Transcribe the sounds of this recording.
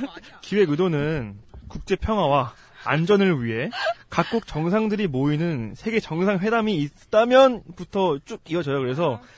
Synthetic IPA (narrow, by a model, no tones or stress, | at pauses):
kiwe̞ɯdonɯnkuk̚t͡ɕ͈e̞pʰjʌŋɦwawa | a̰nd͡ʑʌnɯɭɥiɦe̞kak̚k͈uk̚t͡ɕʌŋsʰaŋdɯɾimoinɯnsʰe̞ɡe̞t͡ɕʌŋsʰaŋwe̞damiː | t͈amjʌnputʰʌt͡ɕ͈uɡ̚iʌd͡ʑʌjokɯɾe̞s̬ʰʌ